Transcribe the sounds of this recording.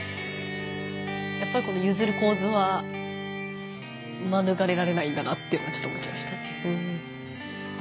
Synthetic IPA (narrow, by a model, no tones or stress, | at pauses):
japːaɾiko̞no̞jɯ̟ːzɨɾɯ̟ko̞ːzɨβa | manɯɡaɾe̞ɾaɾe̞naĩnd̪anat̪ːeiɯ̟nat͡ɕot̪ːomo̞t͡ɕḭmaɕi̥t̪aneɯ̟̃ɴɯ̟̃ɴ